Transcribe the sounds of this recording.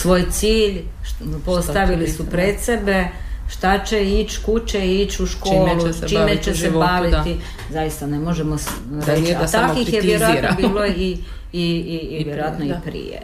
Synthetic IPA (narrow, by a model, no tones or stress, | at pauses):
sʋo̞ːjt̪siːʎ | po̞st̪aʋilisupɾed̪se̞be̞ʃt̪at͡ɕeit͡ɕkut͡ɕeit͡ʃuʃkoːlut͡ʃimmet͡ʃesebaʋit̪i | zaist̪anemo̞ʒemo | ɾet͡ʃaat̪akixjejeɾoaanbːloiː | ʋjeɾojat̪noipɾḭjḛ